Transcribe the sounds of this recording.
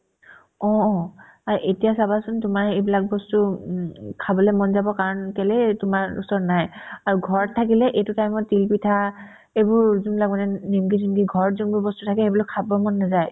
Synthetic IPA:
ɔ̃ | aɹʔetijasabasʊntʊmaɹejbilak̚bɔstu | kʰabɔlɛmɔnzabɔkaɹɔnkɛlɛtʊmaɹṵsɔɹnajaɹuɡʱɔɹtʰakilɛʔetutajmɔtilpitʰa | ebʊɹzunbilak̚manɛnimkinimkiɡʱɔɹzunbʊɹbɔstutʰakɛebɔlɔkʰabɔmɔnːazaj

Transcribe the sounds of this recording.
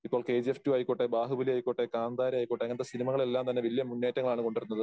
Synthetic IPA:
ipːo̞ːɭke̞ːd͡ʑeftjuɐjkːoʈːebaːɦubɐliɐjkːoʈːekaːnd̪aːɾɐɐjkːoʈːeɐŋːɐnɐt̪esinimɐɣɐɭelːaːmt̪ɐnːe̞ʋiljɐmːunːeːtːɐŋɐɭaːɳɨko̞ɳɖiɾunːɐðɨ

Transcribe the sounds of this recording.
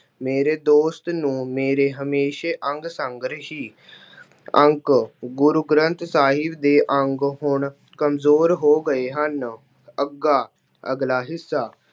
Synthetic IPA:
meːɾeːd̪oːst̪nũːmeːɾeːɦəmeːʃeːʔəŋɡsəŋɡɾɦiː | əŋkɡʊɾʊɡɾənt̪saːɦɪbd̪eːʔəŋɡɦʊɳ | kəmzoːɾɦoːɡəeːɦən | əɡaː | əɡlaːɦɪsːaː

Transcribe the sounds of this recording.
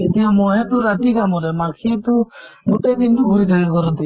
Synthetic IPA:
et̪iamɔɛt̪uɾat̪iɡamɔɾɛmakʰiɛt̪umuʈed̪intuɡʱuɾit̪ʰakakɔɾɔt̪i

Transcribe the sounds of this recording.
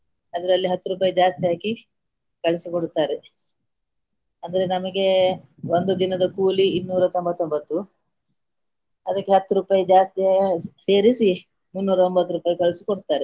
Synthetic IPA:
ɐd̪ɐɾɐlːiɦɐt̪ːuɾuːpaːjɐd͡ʒaːst̪ijaːki | kɐɭisikoɽut̪ːaːɾe | ɐnd̪ɐɾe̞nɐmɐɡe̞ | ond̪ud̪inɐd̪ɐkuːliːnːuːɾɐt̪o̞mbɐt̪ːombɐt̪ːu | ɐd̪ɐkːeɦɐt̪ːuɾuːpaːjɐd͡ʒaːst̪iase̞ːɾisi | munːuːɾɐombɐt̪ːuɾuːpaːjɐkɐɭisikoɽut̪ːaːɾe

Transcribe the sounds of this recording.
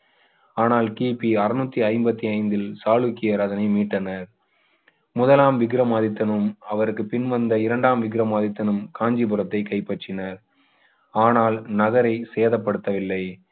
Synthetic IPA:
aːnaːlkiːpiɐɾɯnuːt̪ːiɐɪmbɐt̪ːiɐɪnd̪ɪlsaːɭukːɪjɐɾɐðɐnɐɪmiːʈːɐnɐɾ | mʊðɐlaːmʋɪɡɪɾɐmaːðɪt̪ːɐnɯmɐʋɐɾɯkːɯpɪnʋɐnd̪ɐɪɾɐɳɖaːmʋɪɡɾɐmaːðɪt̪ːɐnɯmkʰaːɲd͡ʒipɯɾɐt̪ːɐɪkɐɪpːɐʈrɪnɐɾ | aːnaːlnɐɣɐɾɐɪseːðɐpːɐɽɯt̪ːɐʋɪlːɐɪ

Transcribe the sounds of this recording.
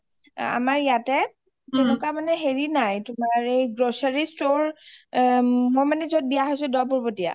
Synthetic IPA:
a̰maɹjatɛ | tunʊkamanɛɦeɹinajtʊmaɹejɡɹosaɹistoɹ | mojmanɛzɔt̚bijaɦojsʊdɔpɔɹbotia̰

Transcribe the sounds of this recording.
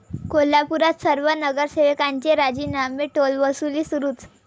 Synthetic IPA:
kolapuɾat̪səɾʋənəɡəɾseʋekaɲt͡ɕeɾad͡ʑiːnameʈolʋəsuliːsuɾuːt͡s

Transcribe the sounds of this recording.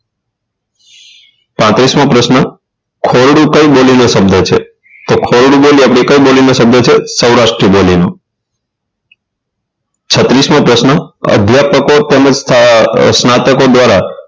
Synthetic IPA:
pãt̪ɾismãpɾəʃnə | kʰoɾɽũkə̃ibolinosəbd̪ʱət͡ʃʰe | t̪okʰoɾɽũboliapɽikə̃jbolinosəb̚d̪ʱət͡ʃʰesəwɾaʃʈɾibolino | t͡ʃʰət̪ɾismãpɾəʃnəə̰d̪ʱjapəkot̪əməd͡ʒstʰsnat̪əkod̪ʋaɾa

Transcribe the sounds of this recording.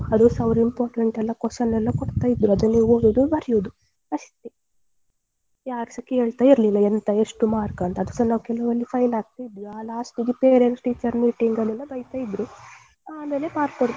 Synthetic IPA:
ɐd̪usɐʋɾimpaːɾʈeɳʈɛlːɐkwɐʃɐnːɛlːɐkoɽt̪aːjid̪ːɾuɐd̪unːiːʋoːɡoːd̪ubɐɾjod̪u | ɐʂt̪i | jaːɾɐsɐkːiɦeːɭt̪aːiɾlilːɐent̪ɐe̞ʂʈumaːɾkɐnt̪ɐd̪usɐnaːukɛlɐʋɐlːipʰɐjlaːɡ̚t̪aːjid̪ɾuaːlaːsʈiɡ̪ipeːɾeɳʈʈiːt͡ʃɐɾmiːʈiŋɡɐlɛlːɐbɐjt̪aːjid̪ɾu | aːme̞ːle̞maːɾkːoɽ

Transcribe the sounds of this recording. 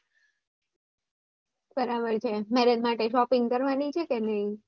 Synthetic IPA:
b̥əɾabəɾt͡ʃʰemɛɾed̪maʈeʃɔpĩŋɡkəɾʋanit͡ʃʰekenəɦĩ

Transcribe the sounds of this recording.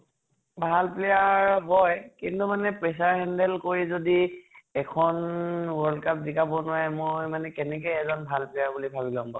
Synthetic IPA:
bʱalplɛjaɹbɔjkintumanɛpɹɛs̬aɹɦɛndɛlkoɹizodiɛkʰɔnwɔlkap̚zikabɔnʊwajmojmanɛkɛnɛkɛjɛzɔnbʱalplɛjaɹbulibʱabilɔ̃mbɔ̰

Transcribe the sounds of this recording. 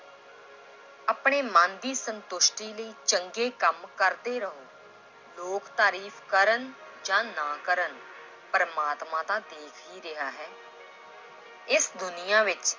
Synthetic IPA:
aːpɳeːmãːnd̪iːsənt̪ʊʃʈiːləiːt͡ʃəŋɡeːkəmkəɾd̪eːɾəɦoː | loːkt̪aːɾiːfʰkəɾən | d͡ʒãːnaːkəɾən | pəɾəmaːt̪mãːd̪aːd̪eːkʰɦiːɾɪɦaːɦɛː | ɪsd̪ʊnɪjãːʋɪt͡ʃ

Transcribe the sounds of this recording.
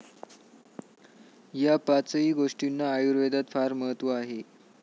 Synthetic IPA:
japat͡səiːɡoʂʈinːaːjuɾʋed̪at̪faɾməɦət̪ʋəaɦe

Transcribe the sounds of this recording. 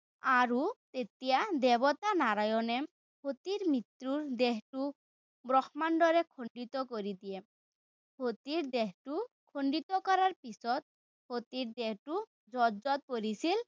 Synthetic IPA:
aɾut̪et̪ijad̪ɛbɔt̪anaɾajɔnem | hot̪iɾmit̪ɾuɾd̪eɦʈu | bɾɔxmanɖɔɾekʰoɳɖit̪ɔkoɾid̪ije | hot̪iɾd̪eɦʈu | kʰoɳɖit̪ɔkɔɾaɾpisɔt̪̚ | hot̪iɾd̪eɦʈu | d͡zɔd͡ʒɔt̪̚poɾisil

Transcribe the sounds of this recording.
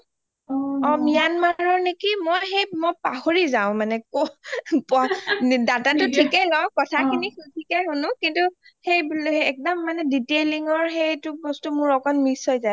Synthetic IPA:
ɔmijanmaɹɔɹnekimɔjxejmojpahoɹizaʊ̃manɛkopɔdatatʊtʰikɛlɔkɔtʰakinixutʰikɛɦonʊkintu | xejbɛk̚dɔmːanɛditeliŋɔɹxejtʊbɔstumʊɹɔkɔnmisɔjzaj

